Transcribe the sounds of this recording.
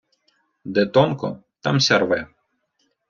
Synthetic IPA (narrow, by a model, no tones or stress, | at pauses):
d̪ɛt̪ɔnkɔ̰t̪ɑ̰msʲɐrʋɛ